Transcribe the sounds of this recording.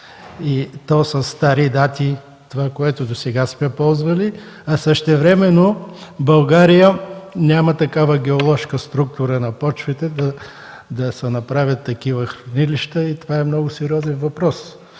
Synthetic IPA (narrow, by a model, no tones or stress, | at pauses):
it̪ɔsəst̪aɾid̪at̪i | t̪ovakoɛt̪ʊd̪osɛɡasmɛpɔlˠzvəli | ɐsəʃt̪ɛvɾɛmɛnobɐlˠɡaɾijənʲamət̪ɐkavəɡʲɛolˠɔʃkəst̪ɾuk̚t̪ʊɾənɐpɔt͡ʃvɛt̪ɛd̪ɐ | d̪ɐsɛnɐpɾavʲjɐt̪ːɐk̟ivəxɾɐniliʃt̪əit̪ovaɛmnɔɡʊsɛɾiɔzɛnvɐpɾɔs